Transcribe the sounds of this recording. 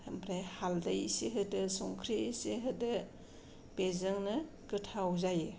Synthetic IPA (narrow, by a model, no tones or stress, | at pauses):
ɐmpʰɾajhaldɐjseɦɯdɯsɔŋkʰɾiseɦɯdɯ | pezɯŋnɯ | kɯtʰawzajɯ